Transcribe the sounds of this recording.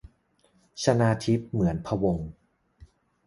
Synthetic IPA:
sʰa˧naː˧t̪ʰi˦˥p̚mɯ˩˦ənpʰa˧wo˧ŋ

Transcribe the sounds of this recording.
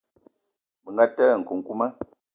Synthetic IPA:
bə˨ŋɡa˦tɛ˦˨ŋ̩˨ku˨ŋ̩˨ku˦ma˦

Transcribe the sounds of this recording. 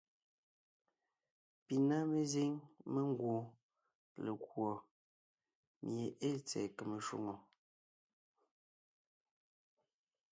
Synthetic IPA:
pi˨na˦me˨ze˦ŋme˦ŋ˦ɡwo˨ | le˨kwɔ˨ | mj̰e˨ʔe˦t͡sɛ̰˨ke˨me˨ʃwo̰˦˨ŋo˨

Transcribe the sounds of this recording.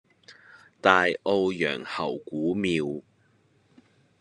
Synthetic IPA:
t̪aː˨jʔo˧wjœ̰ː˨˩ŋhɐ˨˩wkuː˨˥miː˧w

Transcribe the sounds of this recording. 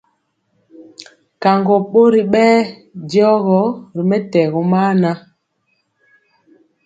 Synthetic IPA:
ka˨ŋɡɔ˨ɓo˦ɾi˨ɓɛː˦djɔ˦ɣɔ˦ɾi˨mɛ˦tɛ˨ɣɔ˨maː˦na˦

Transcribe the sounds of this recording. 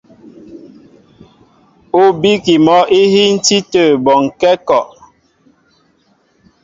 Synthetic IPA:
o˦bi˦ki˨mɔ˨˦ʔi˦hi˦n̩˦ti˦tə˨bɔ˨ŋ˨kɛ˦kɔ˨ʔ

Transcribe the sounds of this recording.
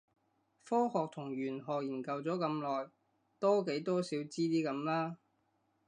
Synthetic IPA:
fɔː˥hɔː˨k̚t̪ʰʊ˨˩ŋɥyː˨˩nɦɔː˨k̚jiː˨˩nkɐ˨˧wt͡sɔː˨˥kɐ˨˧mlɔː˨j | t̪ɔː˥ke˨˥jt̪ɔː˥siː˨˥wt͡siː˥t̪iː˥kɐ˨˧˥mlaː˥

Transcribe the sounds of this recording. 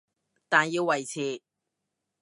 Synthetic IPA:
t̪aː˨˩njiː˧wːɐ˨jt͡sʰiː˨˧

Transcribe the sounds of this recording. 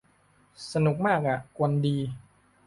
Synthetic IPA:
sa˧nu˨˩˦k̚maː˥˩k̚ʔa˨˩ʔku˧ndiː˧

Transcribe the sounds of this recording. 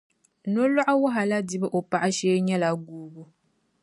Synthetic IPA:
no˦la˦ʔa˦wa˦ɦa˨la˦di˨˦bɨ˦ʔo˨pa˨ʔa˦ʃɛː˦ɲɛ˦la˨ɡuː˦ɡu˦

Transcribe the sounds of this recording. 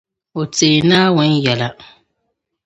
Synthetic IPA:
o˨teː˨naː˦wʊ˦njɛ˨la˨

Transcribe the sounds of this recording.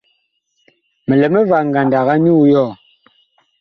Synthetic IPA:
me˨le˨me˦va˨ŋ˨ɡa˨nda˨ɣa˦nu˦jɔ˦˨

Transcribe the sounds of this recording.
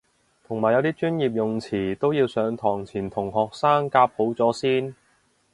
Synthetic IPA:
t̪ʰʊ˨˩ŋmaː˨˩jɐ˨˧wt̪iː˥t͡ʃyː˥njiː˨p̬̚jʊ˨ŋt͡sʰiː˨˩t̪o˥wjiː˧wsœː˨˧˥ŋt̪ʰɔː˨˩ŋt͡sʰiː˨˩nt̪ʰʊ˨˩ŋhɔː˨k̚saː˥ŋkaː˧p̚ho˨˥wt͡sɔː˨˥siː˥n

